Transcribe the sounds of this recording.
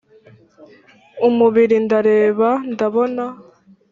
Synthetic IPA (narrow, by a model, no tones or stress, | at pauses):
umuβiɾindaɾe̞ːβandaβo̞na